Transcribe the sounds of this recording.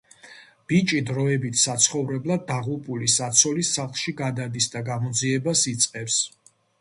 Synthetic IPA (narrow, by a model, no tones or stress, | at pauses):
b̥it͡ʃʼid̪ɾɔɛbit̪ʰsat̪sʰχɔvɾɛblˠad̪̚ːaʁupʼulisat̪sʰɔlisaχlˠʃiɡad̪ad̪isd̪aɡamɔd̪ziɛbasit̪sʼqʼɛfs